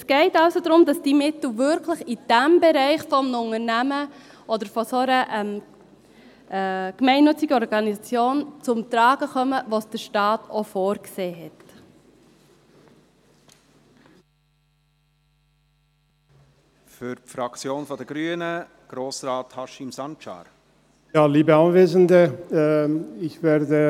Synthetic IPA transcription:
ɛsɡ̥ɛɪtɑʊsodɾʊmdɑsd̥imɪtl̩ʋʏɾkʰləχid̥æmbɛɾɛɪχfɔmnʊŋənæmə | ʔɔd̪əɾfɔsoɾəʔɛm | kmɛɪnːʏt͡siɡəɔɾɡɑnisɑt͡sjoːnt͡sʊmt̪ɾɑːɡ̥əχœməʋosd̥əɾʃtɑːtʰofoːɾkseːɦɛt | fyɾpfɾɑkt͡sjoːnfɔdəɡɾyːənə | ɡ̥ɾoːsɾɑːthɑʃɪmsɑnt͡ʃɑ̰ːɾ | jaːliːbəɑnveːzəndə | ɪçv̥ɛːʁdə

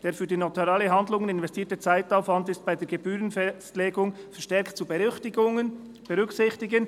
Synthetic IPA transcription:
d̥eːɾfyːɐdinotaɾaːləɦandlʊŋənɪnvɛstʰiːtət͡saɪtaʊfvantɪstb̥aɪdeːɐɡ̥ebyːɾənɛstleːɡʊŋ | fɛɐʁʃtɛɾktt͡subɛçtɪɡŋən | b̥ɛʁʏksɪçtɪɡən

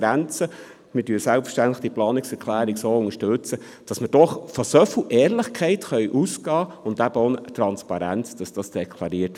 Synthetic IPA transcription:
ɾænt͡sə | mɪdyːsælpfə̥ʃtæntləχd̥iəplɑːnɪksɛɾkʰlæːɾiɡsoːʊŋəʃtʉt͡sə | d̥ɑsməd̥ɔχfɔsɔfwʔɛːɾlɪχkʰɛɪtχœʏʔusɡɑːʊndæb̥əonət̪ɾɑnspɑɾænt͡sd̥ɑsd̥ɑsd̥ekʰlɑɾiət

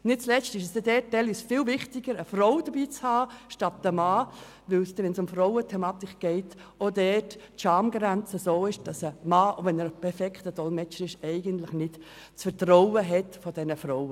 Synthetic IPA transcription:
nɪt̚t͡slɛstɪʃɛsd̥ɛdɛt̚d̥ɛlysfɪlvɪχtɪɡəɾəfɾoʊd̥əbiːt͡shɑːʃtɑt̚ːəmɑː | ʋɪlsdɛʋɛnsʊmfɾoʊətʰɛmɑːt̪ɪkɡ̥ɛɪtodɛtː | ʃɑmɡɾænt͡səsoːɪʃd̥ɑsəmɑːovɛnəɾpʰɛɾfɛkʰtədɔlmɛt͡ʃəɾɪʃɛɪɡəntlɪχnɪt | t͡sfəɾtrowəɦɛtfɔd̥ɛnəfɾoʊə

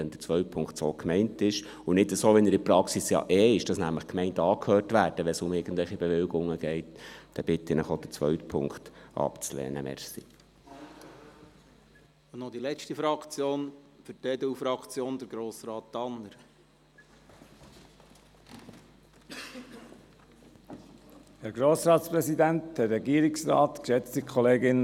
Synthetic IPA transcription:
ɛnd̥̪ət͡sʋœʏt̚pʰʊŋktsoːkmɛɪntɪʃ | ʊnɪtəsoːʋɛnəɾɪpɾɑksisjɑ̰ʔɛːɪʃd̥ɑsnæmləχkmɛɪntəɑːkʰhœːrtʋæːɾd̥əʋɛsʊmɪɡ̥ən̩dlɛlχibɛʋɪlɡʊŋːəɡ̥ɛɪtd̥ɛb̥ɪt̪ɪnəχod̥ət͡sʋœɥtpʰʊ̰ŋktʔɑ̰pt͡slɛ̰ːnəmɛ̰ɾsi | ʊnɔd̪ilɛt͡ʃtifɾɑkt͡sjoːnfətɛd̪əufɾɑkt͡sjoːnd̪əɾɡɾoːsɾɑːt̪dɑnːəɾ | hɛɾɡɾoːsɾɑːtspʁɛsidænt̪dɛɾɛɡiːɾɪksɾɑ̰ːt̪kʃɛt͡st̪ikʰoleːɡɪn

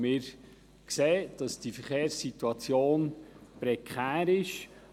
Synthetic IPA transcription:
mɪːɾ | kseːd̥ɑsd̥ifəɾχeːɾsit̪uɑt͡sjoːnpɾɛkʰχæːɾɪʃ

